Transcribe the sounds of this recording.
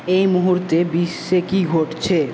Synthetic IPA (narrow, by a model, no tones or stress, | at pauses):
eimuɦuɾt̪ebisːekiɡʱoʈt͡ɕʰe